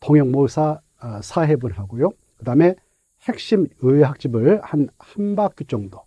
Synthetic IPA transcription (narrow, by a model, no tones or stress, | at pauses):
toŋjʌŋmosʰa | sʰaɦebunɦaɡojo | kɯdame | he̞k̚ɕ͈imɯweɦak̚t͡ɕ͈ibɯɭhanhanbak͈̚ut͡ɕ͈ʌŋdo